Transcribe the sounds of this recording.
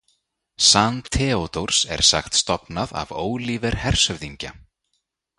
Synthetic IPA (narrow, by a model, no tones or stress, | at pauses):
sant̪ʰɛːot̪owɾ̥sɛ̰ɾ̥sa̰xt̪st̪ɔpnaða̰voːwliːvɛɾ̥hɛr̥sœvðiɲca